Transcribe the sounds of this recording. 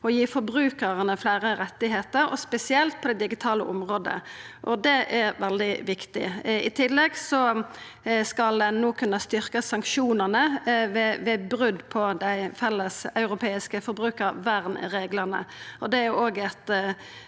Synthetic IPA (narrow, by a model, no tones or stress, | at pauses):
ɔjiːfɔɾbʁʉːkəʁənəflæːɾəɾɛt̪ːɪɦeːt̪əɾɔ̰spɛsɪɛlt̪̚pʰɔd̪ɛd̪ɪɡɪt̪ʰɑːlə̰ʔʊmʁoːd̪ə̰ʔɔd̪ɛʔæɾʋɛld̪ɪʋɪkt̪ɪ̰ɪt̪ʰɪlːɛɡsɔ | skɑld̪ɛnnoːkʰʉnːəst̪ʏɾkəsɑŋkʃuːnənəʋɛʋɛbɾʉd̪pʰɔd̪æɪfɛlːəsɑʉɾʊpʰeːɪskəfɔɾbʁʉːkəɾʋæʁnɾeːɡləʁnə̰ɔd̪ɛæʁjʊoːɡɛt̪